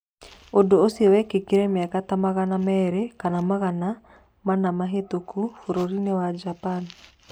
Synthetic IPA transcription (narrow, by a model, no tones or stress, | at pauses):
ondoosiewɛkekeɾɛmeakatamaɣanamɛɾekanamaɣana | manamaɦetokufoɾoɾinewad͡ʒapan